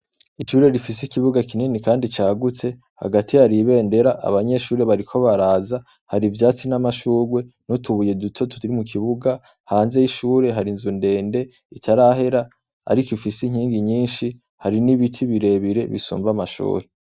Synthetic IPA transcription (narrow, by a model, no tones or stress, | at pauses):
iʃuːɾe̞ɾifisikiβuɡakininikaːndit͡ʃaːɡut͡se̞ | ha̰ɡatihaɾiβe̞ːnde̞ɾaʔa̰βaɲe̞ʃuːɾe̞βaɾikʰo̞βaɾaːza | haɾivjaːt͡sinamaʃuːɾwe̞nutʰuβuje̞dutʰo̞tʰu̥iɾimukʰiβuɡa | haːnzejiʃuːɾe̞ɦaɾinzunde̞ːnde̞ | itʰaɾaɦe̞ɾa | a̰ɾikoifisiɲ̥iːŋɡiɲiːnʃi | haɾiniβitʰiβiɾe̞βiɾe̞βḭsṵːmbamaʃṵːɾe̞